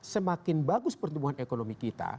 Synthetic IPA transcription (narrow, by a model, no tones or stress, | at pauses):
səmakɪnbaɡʊspərt̪umuɦanʔekonomikit̪a̰